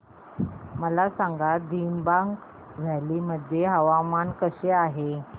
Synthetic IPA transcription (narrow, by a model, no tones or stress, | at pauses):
məlasaŋɡad̪imbaŋɡ | ʋ̤ʱaliməd̪ʱjeɦəʋamankəseaɦe